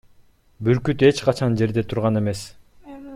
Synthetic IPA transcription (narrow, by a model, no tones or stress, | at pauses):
byɾkyt̪e̞t͡ʃqɑt͡ʃʰɑnd͡ʒe̞ɾd̪e̞t̪ʰuɾʁɑne̞me̞s